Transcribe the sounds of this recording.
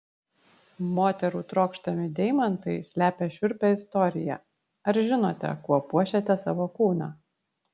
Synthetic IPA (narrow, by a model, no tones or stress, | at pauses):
moːt̪ʲɛɾuːt̪ɾoːkʃt̪ɐmʲɪd̪ʲɛɪmɐnt̪ɐɪsʲlʲæːpʲɛʃʲʊɾʲpʲɛɪst̪ɔɾʲɪjɛ̰ | ɐɾʒʲɪnoːt̪ʲɛ̰kuɔpuɔʃʲɛt̪ʲɛsɑʋoːkuːnɑ̰ː